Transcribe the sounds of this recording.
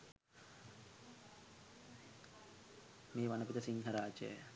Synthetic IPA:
meːʋanəpit̪əsiŋɦɐɾaːd͡ʒə̰

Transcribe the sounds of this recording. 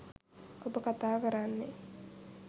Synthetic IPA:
obəkat̪aːkəɾanːe

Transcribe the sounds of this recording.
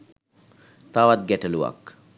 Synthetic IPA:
t̪aʋat̪̚ɡɛʈəluʋa̰k

